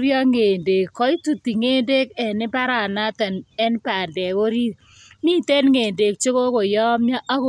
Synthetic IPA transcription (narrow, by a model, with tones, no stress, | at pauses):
ɾjɔ˦ŋe˨nde˨kːɔ˦i˦tu˨ti˨ŋe˦nde˦kɛ˨nɪ˦ba˦ɾa˨na˦ta˨nɛ˦npa˨ndɛ˨ko˦ɾi˦ | mi˦˨tɛ˦nŋeː˨nde˨k̚t͡ʃo˦ko˦ko˨jɔ˦mja˦ʔa˦k